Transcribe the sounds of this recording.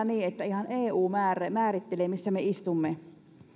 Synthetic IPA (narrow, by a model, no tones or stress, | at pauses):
niːet̪ːæihɑneːuːmæːremæːrit̪ːeleːmisːæmeist̪umːe